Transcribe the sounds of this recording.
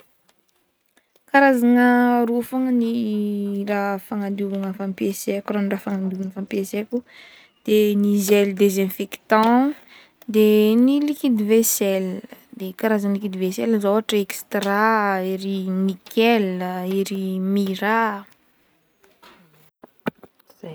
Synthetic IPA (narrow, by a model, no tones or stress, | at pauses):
kaɾazaŋəɾufaŋəni | rafaŋand̪uvaŋəfampieseakuranirafaŋand̪uvanəfampieseku | d̪̥enizeld̪ezemfeki̥t̪ã | d̪enilikid̪ivesɛld̪ekaɾazanlikid̪ivesɛləzoaʈ͡ʂəekst̪raiɾinikʰɛliɾimiɾa